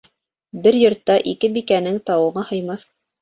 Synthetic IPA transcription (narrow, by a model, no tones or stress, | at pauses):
bɘɾjŏɾt̪ːɑʔikɘbikænɘŋt̪ɑwɤ̆ʁɤhɤ̆jmɑθ